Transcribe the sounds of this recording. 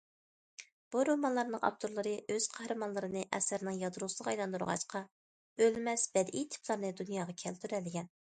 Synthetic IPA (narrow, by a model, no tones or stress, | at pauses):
b̥uɾomɑnlˠɑɾnɨŋɑ̰b̚t̪ʰoɾlˠɨɾɨøz̥qʰɑhɾɨmɑnlˠəɾɨnɨʔɛ̰sæɾnɨŋjɑd̪ɾusɨlˠəʁɑjlˠɑnd̪uɾʁɑ̰ʃqʰɑ | ølmɛsbɛd̪ʔit̪ʰɪ̥pʰlˠɑɾnɨd̪unjɑːʁɑkʲʰɛlt̪ʰyɾɛlːɪɡʲɛn